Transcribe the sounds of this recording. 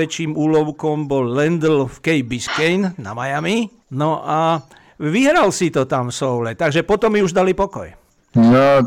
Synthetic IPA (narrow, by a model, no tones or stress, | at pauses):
ɛt͡ʃiːmuːlɔʊkɔmbɔlːɛnd̪l̩fkɛjbiskɛjnna̰majami | nɔʔa | ʋiɦɾalsit̪ɔt̪amfsɔʊlɛt̪aɡʒɛpɔt̪ɔmːiuʒd̪alipɔkɔ̰j | nɔ